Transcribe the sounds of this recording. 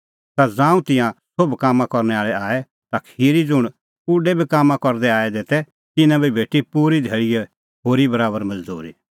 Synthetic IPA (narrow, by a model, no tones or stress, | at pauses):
t̪ad͡zãːũt̪ɪ̃jãsʊbkaːmːãkɔɾñɛaːɭɛaːɛ | t̪akʰhiɾid͡zʊɽ̃ | ʊɖɛbʱikaːmːãkɔɾd̪ɛaːɛd̪eːt̪ɛ | t̪ɪnãbibʱeːʈipuːɾid̪ʱeːɭijɛ | ɦoːɾibɐɾaːbəɾmɐd͡zd̪ṵːɾḭ